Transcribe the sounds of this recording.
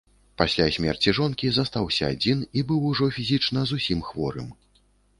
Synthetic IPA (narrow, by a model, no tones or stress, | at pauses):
pasʲlʲasʲmʲɛrt͡sʲiʐɔnkʲizɐst̪awsʲɐa̰d͡zʲinibɨwuʐɔfʲizʲit͡ʂn̪ɐzusʲimxvɔɾɨ̰m